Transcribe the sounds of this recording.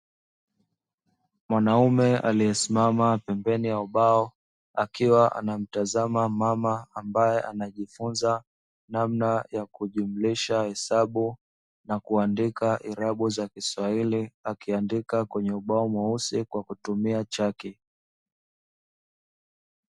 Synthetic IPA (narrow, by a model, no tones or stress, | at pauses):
mwanaumɛa̰lijɛsimamapɛmbɛnijauɓaɔ | akiwaʔa̰nam̩tazamamamaambajɛʔanaʄifunza | namnajakuʄum̩liʃahɛsaɓu | nakuandikaʔiɾaɓuzakiswailiakiandikakwɛɲɛuɓaɔmwausikwakutumiat͡ʃaki